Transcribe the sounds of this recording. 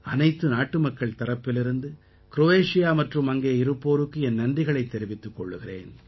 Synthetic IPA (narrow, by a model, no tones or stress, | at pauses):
ɐnɐɪt̪ːɯnaːʈːɯmɐkːɐɭt̪ɐɾɐpːɪlɪɾɯnd̪ɯ | kɪɾoʋeːʂɪjaːmɐʈrɯmɐŋɡeːɪɾɯpːoːɾɯkːɯɛnnɐndrɪɣɐɭɐɪt̪ːɛɾɪʋɪt̪ːɯkːɔɭːɯɣɪrḛːn